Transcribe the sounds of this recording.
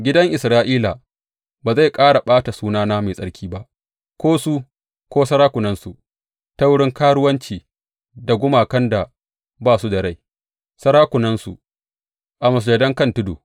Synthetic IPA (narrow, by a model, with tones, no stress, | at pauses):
ɡʲɪ˦dɐ˦ŋʔɪ˨sɾaː˦ʔiː˦la˨ | baː˨za˦˨jkʼaː˦ɽa˨ɓaː˦ta˨suː˦naː˦naː˦ma˨jsʼɐ˦ɽkʲiː˦ba˦ʔ | kʷoː˦su˦ | kʷoː˦sɐ˦ɾaː˦kʷʊ˨nɐ˦nsu˨ | ta˦wʊ˦ɽɪ˦ŋkaː˦ɽʊ˦wɐ˦nt͡ʃiː˨ | da˨ɡʷʊ˦maː˨kɐ˦nda˨ | baː˦˨su˦dɐ˨ɽa˦˨j | sɐ˦ɾaː˦kʷʊ˨nɐ˦nsṵ˨ | ʔa˨mɐ˨s̬d͡ʒɐ˨dɐ˦ŋkɐ˦˨ntʊ˦do̰ː˨